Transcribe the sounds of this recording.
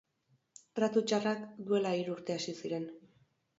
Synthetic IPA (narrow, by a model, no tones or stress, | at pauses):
rat̪ut͡ʃarakd̪ue̞laiɾuːɾt̪e̞asisiɾe̞n